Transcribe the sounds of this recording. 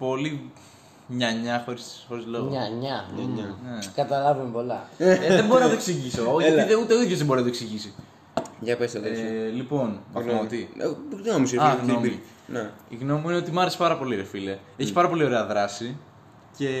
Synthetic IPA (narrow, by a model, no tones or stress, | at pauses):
po̞li | mɲɐɲɐxo̞ɾisxo̞ɾizloɣɐɲɐɲɐnekɐt̪ɐlɐvumepo̞lɐðebo̞ɾinɐt̪oksiʝisooiðeut̪euðjozðeboɾinɐt̪oksiʝisi | jɐpesɐðelipo̞nmɐfmot̪iɣnomisiɾɐɣnno̞mi | neiɣno̞muine̞o̞t̪imɐɾese̥pɐɾɐpo̞liɾefile | eçipɐɾɐpo̞lio̞ɾeɐðɾɐsi | ce̞